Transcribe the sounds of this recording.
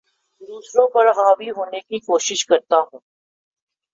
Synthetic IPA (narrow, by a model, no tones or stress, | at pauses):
d̪uːsɾõpɐɾɦaːʋiɦoːnekikoːʃɪʃkɐɾt̪aɦũː